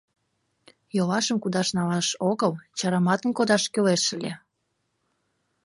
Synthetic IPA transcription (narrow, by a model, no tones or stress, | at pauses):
jolɑʃəmkud̪ɑʃnɑlɑʃoɣəlt͡ɕɑɾɑmɑt̪ənkod̪ɑʃkøleʃəlʲe